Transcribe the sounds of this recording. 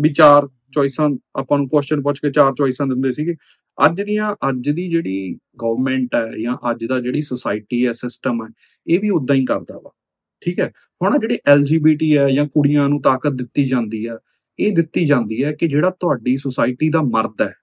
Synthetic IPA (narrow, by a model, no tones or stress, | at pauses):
biːt͡ʃaːɾ | t͡ʃɔːisãːa̰ːpãːnũːkost͡ʃənp̬ɔ̃t͡ʃkeːt͡ʃaːɾt͡ʃɔːɪsãːd̪ɪnd̪eːsiːɡeː | ə̰d͡ʒd̪ɪjãːʔəd͡ʒd̪iːd͡ʒeːɽiːɡəːʋəɾmɛ̃ːɳʈɛːjãːʔəd͡ʒd̪aːd͡ʒeːɽiːsəsaːɪʈiːɛːsɪsʈəmɛː | eːʋiːʊd̪ːãːĩːkə̰ɾd̪a̰ːba̰ː | ʈʰiːkɛː | hʊɽaːd͡ʒeːɽeːʔɛːld͡ʒiːbiːʈiːɛːd͡ʒãːkʊɽijãːnũːt̪aːkət̪̚d̪ɪt̪ːiːd͡ʒãːnd̪iːɛː | eːd̪ɪt̪ːiːd͡ʒãːnd̪iːɛːkɪd͡ʒeːɽaːt̪ʊaːɖiːsəsaːɪʈiːd̪aːməɾd̪ɛː